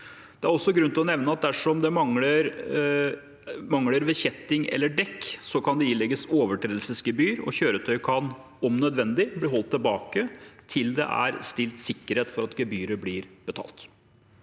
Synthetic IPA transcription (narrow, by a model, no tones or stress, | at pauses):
d̪̥ɛæɾɔsːɔɡɾʉnt̪ɪlɔnɛʋnəɑt̪̚d̪æʂɔmd̪ɛmɑŋləɾ | mɑŋləɾʋɛçɛt̪ːɪŋɛ̰lːəɖɛkːsɔkʰɑnd̪ɛiːlɛɡəsoːʋəʈʰɾeːd̪lsəsɡəbyːɾɔ̰çøːɾət̪ʰœʏkʰɑn | ɔmnœd̪ʋɛnd̪ɪblɪɦɔlt̪ʰːɪlbɑːkət̪ʰɪld̪ɛ̰ʔæ̰ɾst̪ɪlt̪sɪkːəɾheːt̪fɔɾɑt̪ɡəbyːɾəblɪɾb̥ət̪ʰɑ̰ːlt̪